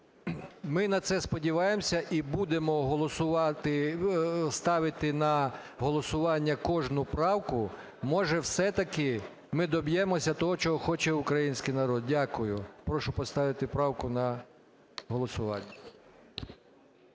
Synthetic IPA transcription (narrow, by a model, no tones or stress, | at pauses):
mɪnɐt̪sɛspɔdʲiʋɑjemsʲɐʔibud̪emɔɦɔlˠɔsʊɑt̪ɪ | st̪ɑʋɪt̪ɪnɐɦɔlˠɔsʊʋɑnʲːɐkɔʒnʊpɾɑwkʊ | mɔʒɛwsɛt̪ɐkɪ | mɪd̪ɔbjɛmɔsʲɐt̪ɔɦɔt͡ʃɔɦɔxɔt͡ʃɛʊkɾɐjinʲsʲkɪjnɐɾɔd̪̚dʲakʊjʊpɾɔʃʊpɔst̪ɑʋɪt̪ɪpɾɑwkʊnɐ | ɦɔlˠɔsʊʋɑ̰nʲːɐ